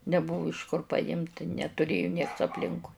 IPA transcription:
nʲɛˈbʊʋʊ ɪʃ kʊr pɐˈjɪmt nʲɛtʊˈrʲeːjʊ nʲiɛks ɐpʲˈlʲɪŋkʊɪ

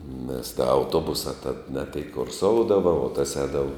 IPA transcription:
nʲɛs ˈdɐ ɐʊˈtuɔbʊsɐ tɐt nʲɛ tʲeːɪk kʊrˈsoːʊdɐʋɐ oː tɐs ˈɛːdɐʋɐ

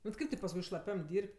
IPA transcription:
bʲɛt ˈkɐɪp tʲɪ pɐsˈkʊɪ ʃlˠɐˈpʲɛm ˈdʲiːrʲpʲtʲ

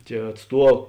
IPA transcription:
tʲiɛ ɐtˈstuɔ

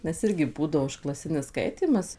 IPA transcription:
nʲɛs ˈɪrʲɡʲɪ ˈbuːdɐʋoː ʊʃklˠɐˈsʲɪnʲɪs ˈskɐɪtʲiːmɐs

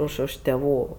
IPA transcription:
ˈʊʃ ʊʃ tʲeːˈʋuː

